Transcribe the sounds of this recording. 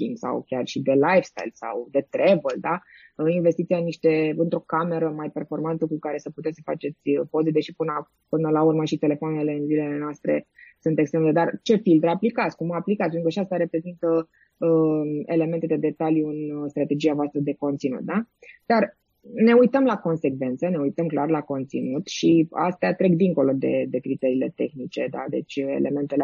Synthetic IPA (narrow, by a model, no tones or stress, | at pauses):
kḭŋɡsa̰wkʲarʃid̪e̞lajfst̪a̰jlsa̰wd̪e̞t̪ɾe̞vəld̪a | əinvest̪it̪sianiʃt̪e̞ɨnt̪ɾo̞kame̞ɾəmajpe̞rfo̞rmant̪əkukaɾe̞səput̪esəfat͡ʃe̞t̪sʲpo̞zed̪eʃipɨn | pɨnəlaurməʃit̪e̞le̞foanele̞ɨnzilele̞noast̪ɾe̞sunt̪e̞kst̪ɾemd̪ed̪art͡ʃe̞filt̪ɾaplikat̪sʲkumaaplikat̪ʲpenɾkaʃiast̪aɾe̞pɾe̞zint̪ə | əe̞le̞me̞nt̪e̞d̪e̞d̪e̞t̪aljuɨnst̪ɾat̪e̞d͡ʒiavoast̪ɾəd̪e̞ko̞nt̪sinṵt̪̚d̪ad̪ar | ne̞ujt̪əmlako̞nse̞ɡve̞nt̪səne̞ujt̪əmklarlako̞nt̪sinut̪ʃia̰st̪eat̪ɾe̞kd̪iŋko̞lo̞d̪e̞d̪e̞kɾit̪eɾiːle̞t̪e̞̰xnit͡ʃe̞d̪a̰d̪e̞t͡ʃʲe̞̰le̞me̞nt̪el